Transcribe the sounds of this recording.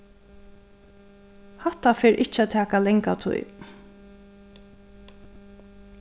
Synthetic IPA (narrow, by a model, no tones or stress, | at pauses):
haht̪afeːɹʔɪt͡ʃːæt̪ʰæːkalɛŋkat̪ʰṵj